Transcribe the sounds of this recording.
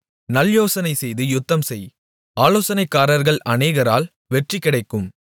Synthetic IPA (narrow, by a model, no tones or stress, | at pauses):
nɐljoːsɐnɐɪsɛjðɯjʊt̪ːɐmsɛj | aːloːsɐnɐɪkːaːɾɐɾɣɐɭɐneːɣɐɾa̰ːl | ʋɛʈrikːɪɽɐɪkːɯm